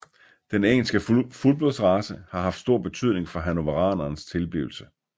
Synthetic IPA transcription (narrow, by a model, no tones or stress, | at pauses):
d̥eneŋl̩sɡ̥əfulb̥oð̰ˠsʁɑ̈səhɑ̈ɦɑ̈fd̥sd̥o̝ɐ̰b̥e̝t͡sʰy̰ð̞̰ˠne̝ŋfɒ̽ɦæno̝ʋɑʁɑ̈ːnɐːnst͡sʰe̝lb̥iːʊl̩sə